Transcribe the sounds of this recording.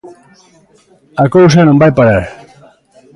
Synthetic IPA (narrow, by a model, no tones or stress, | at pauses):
akows̬anõmbajpaɾaɾ